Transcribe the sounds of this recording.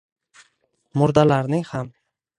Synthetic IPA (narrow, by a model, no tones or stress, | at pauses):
mʊɾd̪alaɾnɪŋham